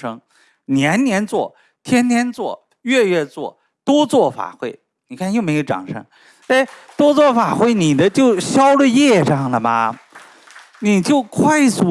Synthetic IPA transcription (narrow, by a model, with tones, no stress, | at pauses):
ʂɤ˥ŋ | njɛ˧˥nnjɛ˧˥nt͡swɔ˥˩ | t̪ʰjɛ˥nt̪ʰjɛ˥nt͡swɔ˥˩ | ɥɛ˥˧ɥɛ˥˧t͡swɔ̰˥˩ | t̪wɔ˥t͡swɔ˥˩fa̰˨˩xwe˥˩ɪ | ni˨˩kʰa˥˧njo˥˩me˧˥ɪjʊʈ͡ʂɑ̰˨˩ŋʂɤ̰˥ŋ | e˥˩ɪt̪wɔ˥t͡swɔ˥˩fa̰˨˩xwe˥˩ɪni˨˩d̪ə˦t͡ɕjo˥˩ʊɕjɑ˥ʊljɛ˥˧ʈ͡ʂɑ˥˩ŋlə˩mɐ̰˩ | ni˨˩t͡ɕjo˥˩ʊkʰwa˥˩ɪsu˧˥